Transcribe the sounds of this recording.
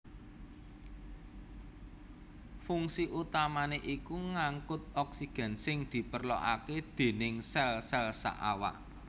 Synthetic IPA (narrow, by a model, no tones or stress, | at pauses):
fuŋsiʔut̪amaneʔikuŋaŋkʊt̪̚ɔksiɡ̥ɛ̤nsɪŋd̪̥i̤pərlo̰ʔa̰ked̪̥e̤nɪŋsɛlsɛlsa̰ʔa̰wa̰ʔ